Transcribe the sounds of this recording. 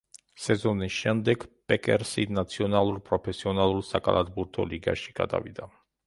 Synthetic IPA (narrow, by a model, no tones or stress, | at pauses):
sɛzɔnisʃɛmd̪ɛɡpʼɛkʼɛɾsinat̪sʰiɔnalˠuɾpʼɾɔpʰɛsiɔnalˠuɾsakʼa̰lˠad̪buɾt̪ʰɔ̰liɡa̰ʃiɡ̥a̰d̪a̰vḭd̪a